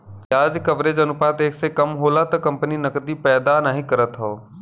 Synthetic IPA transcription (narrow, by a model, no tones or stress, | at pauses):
jaːd͡ʒkɐʋɾeːd͡ʒɐnʊpaːt̪eːksekɐmɦoːlat̪ɐkɐ̃mpəninɐkd̪ipɛːd̪anaːɦĩkɐɾət̪ɦoː